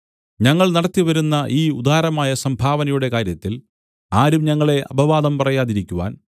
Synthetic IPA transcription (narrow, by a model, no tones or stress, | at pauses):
ɲɐŋːɐɭnɐɽɐt̪ːiʋɐɾunːɐʔiːud̪aːɾɐmaːjɐsɐmbʱaːʋɐnɐjuɽe̞kaːɾjɐt̪ːil | aːɾumɲɐŋːɐɭe̞ʔɐ̰bʱɐʋaːd̪ɐmpɐrɐjaːðiɾikʲːuʋa̰ːn